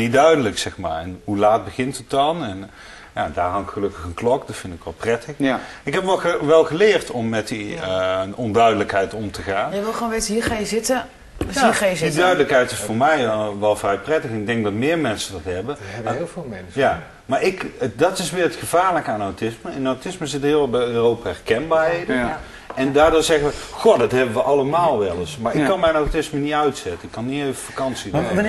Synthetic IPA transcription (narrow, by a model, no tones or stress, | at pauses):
didœɥdələksɛxma̰ːɹɛnɦulaːt̚bəɣɪntət̚dɑnɛn | ja̰daːrɑnkxəlɵkəxənklɔkdɔtfɪndɪkʋɛlˠprɛtəxɪkɦɛpʋɛəʋɛlˠɣəlɪːrtʰɔmːɛti | ɔndœɥdələkɦɛjtɔmtʰəɣaːnjʋɪlˠxoːnʋetəɦiːɹxajəzɪtə | ajəzdidœɥdələkɦɛjtɪsfʊːɹmɛjʋɛlˠfrɛjprɛtəxɪnɪɡ̚dɛŋɡ̚dɑtmɪːɹmɛnsədɑtɦɛbəɪlvɪːlˠmɛnsja | maːɹɪkdɑtɪsʋɪːɹrətxəv̥aːɹləkəaːnawtɪsməɪnawtɪsməzɪtəɦɪːlˠʋlˠbɛjøːrowpaɛrkɛnbaːɹɦejdə | ɛndaːrdoːzɛɣəʋəxodɑtɦɛbəʋəʔɑlˠəmaːlˠʋɛlˠəsmaɹɪkkːɑnmɛjnawtɪsmənitœɥtsɛtənɪkːɑnːiejvəfakɑnsid